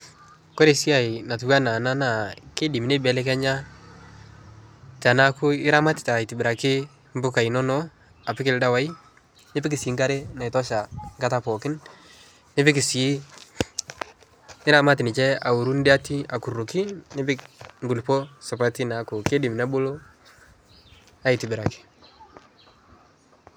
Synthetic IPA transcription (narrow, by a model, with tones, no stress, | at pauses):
ko˦ɾe˦˨si˦a˨i˨na˨tu˨ka˦na˨na˦na˨ke˦dɪ˨mi˨ne˦bɛ˨˦lɛ˦kɛ˦ɲa˦ | ta˨na˦kʊ˦ɪ˦ɾa˦ma˦tɪ̥˨ta˨ɪ˨tɪ˨bɪ˨ɾa˨kɪ˦ | m̩˦bʊ˦ka˨i˨nɔ˦nɔ˦ | a˨pɪ˦kɪ˦lda˦wa˨˦i˦ | nɪ˦pɪ˦kɪ˨siː˨˦ŋɡa˦ɾe˦na˨ɪ˨tɔ˦ʃa˨ŋɡa˦ta˦pɔ˨kɪ˦n | nɪ˦pɪ˦kɪ˨s | nɪ˦ɾa˦ma˦tɪ˨nɪ˨t͡ʃɛ˦a˨u˨ɾu˦n˦dɪ˦a˦ti˦a˨ku˨ru˨kɪ˦nɪ˦pɪ˦kŋɡu˨lpo˦sʊ˨pa˦ti˦na˨˦ku˨ke˦dɪ˨mna˦bo˦lo˦ | a˨i˨tɪ˨bɪ˨ɾa˨kɪ̥˦